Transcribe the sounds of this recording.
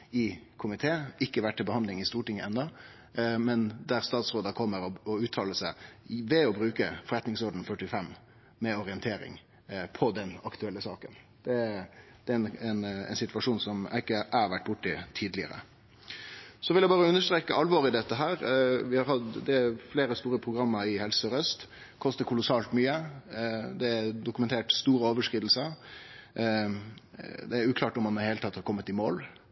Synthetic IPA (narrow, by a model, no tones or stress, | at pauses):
ɪkʰʊmɪt̪ʰeːɪkːəʋæʈʈʰːɪlbəhɑnd̪lɪŋɪst̪uːʈɪŋːəɛnːɑ | mɛnd̪æɾst̪ɑːt̪sɾoːd̪ɑkʰɔmːəɾɔɔʉːt̪ʰɑːləʂæɪʋɛɔbɾʉːkəfɔɾɛt̪nɪŋsɔɾɖ̪n̩fœʈːɪfɛm | mɛɔɾɪənt̪ʰeːɾɪ̰ŋ | pʰɔd̪ɛnɑkt̪ʉɛlːəsɑːkən | d̪̥ɛd̪̥ɛænɛnɛ̰ɪnsɪt̪ʋɑʂuːnsɔmæɪkːəʔæʋæʈ̚ːb̥ʊʈːɪt̪ʰiːd̪lɪə̰ɾə̰ | sɔʋɪljæɪbɑːɾəʉnːəʂt̪ɾeːkəʔɑlʋɔːɾɪd̪ɛt̪ːəɦæːɾʋɪhɑɾhɑd̪d̪ɛfleːɾəst̪uːɾəpʰɾʊɡɾɑmːəɾɪhɛlsəɔɾœst̪ | kʰɔst̪əɾkʰʊlʊsɑːlt̪myːə | d̪ɛd̪ʊkʉmɛnt̪ʰeːʈst̪uːɾəoːʋəʂkɾiːd̪l̩səɾ | d̪ɛæɾʉːkʰlɑːʈɔmːɑnmɛd̪ɛhelət̪ɑt̪ːhɑɾkʰɔmːət̪ɪmoːl